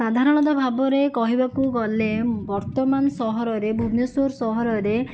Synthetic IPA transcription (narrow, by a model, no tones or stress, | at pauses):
ad̪ʱaɾɔɽ̃ɔt̪̬ɔbʱabɔɾekɔɦibakuɡɔlebɔɾt̪ɔmanɔsɔɦɔɾɔɾebʱumjɔsoɾsɔɦɔɾɔɾe